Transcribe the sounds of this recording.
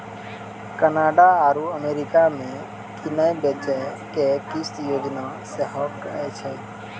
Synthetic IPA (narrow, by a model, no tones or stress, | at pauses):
kənaːɖaaɾuəmeɾikamẽ | kʰinajbet͡ʃɛ | kekisjoːd͡ʒna | seɦəkɛt͡ʃʰɛ